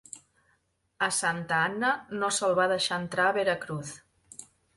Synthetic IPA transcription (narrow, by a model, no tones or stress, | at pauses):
əsant̪əanːənosəlˠβaðəʃaənt̪ɾaəβeɾəkɾuθ